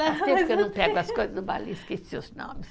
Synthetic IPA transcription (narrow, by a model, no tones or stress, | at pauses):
at̪ẽkenɐ̃w̃pɛɡɐskojzɐzd̪ba̰liskisseʊznõ̰mɪs